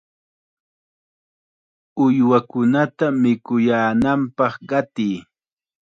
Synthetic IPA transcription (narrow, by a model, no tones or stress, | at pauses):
ʊjwakʊnat̪amɪkʊjaːnampɑχɢɑt̪ij